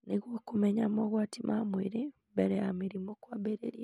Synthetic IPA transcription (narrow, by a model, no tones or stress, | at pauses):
niɣwokumeɲamoɣwaːtimʔamwiɾimbeɾejamiɾimokwaːbeɾḛɾia